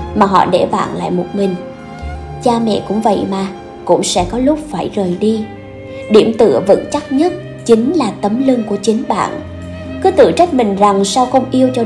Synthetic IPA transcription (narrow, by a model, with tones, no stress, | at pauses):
maː˨˩ɦɔ̰˧˨ɗe˧˩va̰ː˧˨nla̰ː˧˨jmo˨˩t̚ŋï˨˩ŋ̟ | t͡ɕaː˧mɛ̰˧˨kʊ̰˧˥ŋ͡mvə̰˧˨jmaː˨˩ | kʊ̰˧˥ŋ͡msɛ̰˧˥kɔ˨˦lʊ˦˥k͡p̚faː˧˩jzəː˨˩jɗi˧ | ɗi˧˩əmt̪ɨ̰˧˨əvɨ̰˧˥ŋt͡ɕa˦˥t̚ɲə˦˥t̚ | t͡ɕï˨˦ŋlaː˨˩t̪ə˨˦mlɨ˧ŋku˧˩ət͡ɕï˨˦ŋɓa̰ː˧˨n | kɨ˨˦t̪ɨ̰˧˨t͡ɕə˦˥t̚mï˨˩ŋ̟za˨˩ŋsa˧wxə˧wŋ͡mʔi˧əwt͡ɕɔ˧